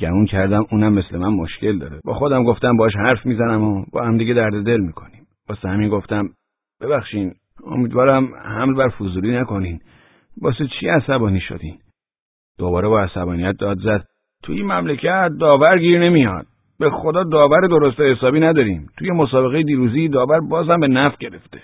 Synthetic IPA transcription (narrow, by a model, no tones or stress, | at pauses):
ɟ̥æmuːncʰæɾd̪æmuːnæmːe̞slemænmoʃce̞ld̪ɒ̰ːɾebɒ̰ːxod̪æmɡo̞ft̪æmbɒːɑʃ̬hæɾfmiːzænæmobɒ̰ːhæmd̪iɟed̪æɾd̪ed̪e̞lmiːkʰo̞nim | bɒːsehæminɡo̞ft̪æm | b̥e̞bæxʃiːn | o̰miːd̪vɒːɾæmhæmlbæɾfuzuliːnækʰo̞nin | bɒːset͡ʃʰiæsæbɒːniːʃo̰d̪iːn | d̪̥obɒːɾebɒːæsæbɒːnijæt̪̚d̪ɒːd̪zæd̪̥ | t̪ʰujimæmlecʰæt̪̚d̪ɒːvæɾɟiːɾne̞mijɒ̰ːd̪̥̚ | b̥exod̪ɒːd̪ɒːvæɾed̪o̞ɾost̪ehesɒːbiːnæd̪ɒːɾimt̪ʰujemosɒːbe̞ɣejed̪iːɾuːziːd̪ɒːvæɾbɒːzhæmbe̞næfɟe̞ɾeft̪e̥